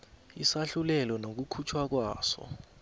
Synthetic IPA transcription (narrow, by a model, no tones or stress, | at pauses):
isaɬulɛlɔnok̬ukʰut͡ʃʰwak̬waːsɔ̰